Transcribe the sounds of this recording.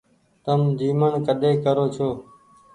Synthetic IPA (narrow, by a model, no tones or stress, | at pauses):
t̪əmd̪iːməɳkəɗeːkəɾoːt͡ʃʰoː